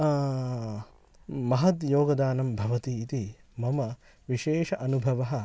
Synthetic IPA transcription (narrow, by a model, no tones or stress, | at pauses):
mɐɦɐt̪joːɡɐd̪aːnɐmbʱɐʋɐt̪iːt̪imɐmɐ | ʋiʃeːʃɐʔɐnubʱɐʋɐɦɐ̆